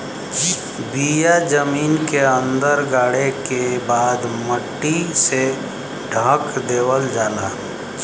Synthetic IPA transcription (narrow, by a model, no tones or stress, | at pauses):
d͡ʒi | bijad͡ʒəmiːnkeə̃nd̪əɾɡaːɽekebaːd̪məʈːise | ɖʱə̃kd̪eːwəld͡ʒaːla